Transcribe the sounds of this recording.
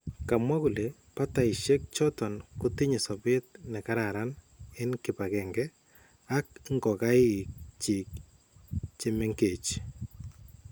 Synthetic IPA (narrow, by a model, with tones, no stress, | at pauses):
ka˨mwa˦ku˨le | pa˦ta˨ɪ˨ʃe˦k̚t͡ʃɔ˦tɔ˨nkʊ˦ti˦ɲe˨sɔ˨bɪ˦t̪̚nɛ˨ka˦ɾaɾan | ɪ˦nkɪ˨pa˨kɛ˨ŋɡɛ˦ | a˦k̚ŋɡɔ˨ka˦ɪ˨k̚t͡ʃi˨k̚ | t͡ʃe˦me˦ŋke˨t͡ʃ